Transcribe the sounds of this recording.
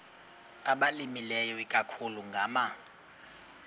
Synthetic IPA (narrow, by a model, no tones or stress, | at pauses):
aɓalimilɛjɔikʼakʰuluŋɡʱaːma